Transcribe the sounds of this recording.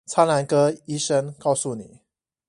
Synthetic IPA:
t͡sʰa˥la˧˥nkɤ˥i˥ʂə˥ŋkɑ˥˧ʊsu˥˩ni˨˩˦

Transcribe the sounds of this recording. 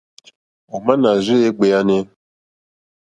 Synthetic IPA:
o˨ma˦na˨zɪ˦e˦ɡ͡be˨ja˦ne˦

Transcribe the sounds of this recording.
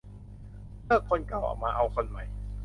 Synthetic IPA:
lɤː˥˩kʰːo˧nka˨˩wʔa̰ː˨˩maː˧ʔa˧wkʰo˧nma˨˩j

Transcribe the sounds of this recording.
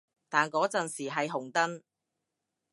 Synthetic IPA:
t̪aː˨nkɔː˨˥t͡sɐ˨nsiː˨˩ɦɐ˨jɦʊ˨˩ŋt̪ɐ˥n

